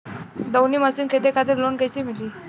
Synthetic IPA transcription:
d̪əwniːməsinkʰed̪ekʰad̪eɾlonɡəjsemiliː

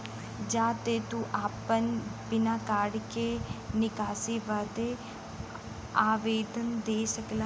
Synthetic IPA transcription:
d͡ʒãːt̪eːt̪ũʔaːpənbɪnãːkaːɖkenɪkaːsiːʋəd̪e | aːʋeːd̪ənd̪eːsəkla

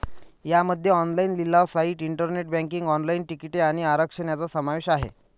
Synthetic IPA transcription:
jaməd̪ʱːjeɔnlainlilːaʋsaiʈiɳʈəɾneʈ̚bæ̃ŋkiŋɡɔnlainʈikiʈeaɽ̃iaɾəkʂəɳjat͡sasəmaʋeɕaɦḛ

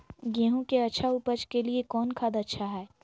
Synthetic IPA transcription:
ɡẽːɦõkeɐtːʃʰaupət͡ʃkeliekɔːnkʰaːd̪ɐtːʃʰaɦɛː

